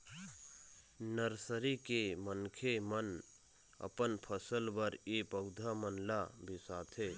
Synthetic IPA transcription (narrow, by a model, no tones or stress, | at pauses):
nəɾsəɾikemənkʰemən | ə̰pənpʰəsəlbəɾepəʊd̪ʱamənlabʱisat̪ʰe